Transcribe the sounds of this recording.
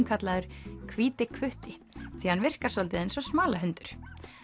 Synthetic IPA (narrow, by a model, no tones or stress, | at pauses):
mkʰat̪laðʏɾ̥kʰviːt̪ɪkʰvʏht̪ɪ | θihanvɪr̥kasɔlt̪ɪðensɔsmaːlaɦʏnt̪ʏɾ̥